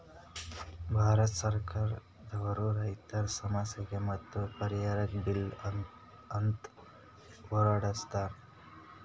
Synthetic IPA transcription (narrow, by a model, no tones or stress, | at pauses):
bʱaːɾɐt̪sɐɾkaːɾ | d̪ɐʋɐɾuɾɐjt̪ɐɾsɐmɐsjɐɡemɐt̪ːupɐɾijaːɾɐkbil | ɐnt̪ | oːɾaːɽɐst̪aːɾ